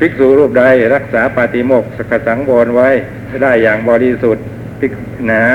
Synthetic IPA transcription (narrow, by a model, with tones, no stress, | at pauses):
pʰi˦˥k̚suː˨˩˦ɾuː˥˩p̚da˧jɾa˦˥k̚saː˩˦paː˨˩t̪i˧mo˨˩k̚skʰa˨˩sa˩˦ŋboː˧nwa˦˥j | daː˥˩jːaː˨˩ŋbɔː˧ɾi˧su˨˩t̪̚ | pʰi˦˥k̚ | naː˩˦